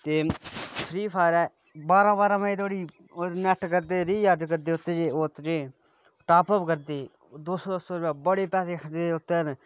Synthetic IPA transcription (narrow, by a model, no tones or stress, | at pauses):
t̪eːpʰɾiːpʰaːɾɛː | baːɾãːbaːɾãːməĩt̪ʰoːɽiː | onɛʈkəɾd̪eːɾiːjaːɾd͡ʒkəɾd̪eːʊt̪ːed͡ʒeːot̪ːd͡ʒeː | ʈaːpəpkəɾd̪eː | d̪oːsd̪osoːɾɛːbəɽeːpɛːseːkʰəɾeːʊt̪ːeːn